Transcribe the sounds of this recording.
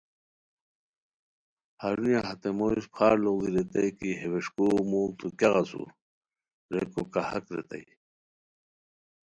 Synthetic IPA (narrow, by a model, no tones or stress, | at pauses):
haɾunjaɦɐt̪emoispχaːɾloɡ̪iɾet̪ajkiɦeweʂkumuːlt̪ukaɣasṵ | ɾekokahɐkɾḛt̪a̰j